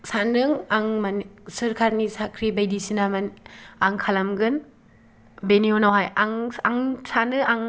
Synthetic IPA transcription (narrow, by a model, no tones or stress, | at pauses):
sanɯŋaŋmansɯɾkʰaɾnisakʰɾibajdisinamanaŋkʰalamɡɯn | benionawɦajaŋaŋsanɯaŋ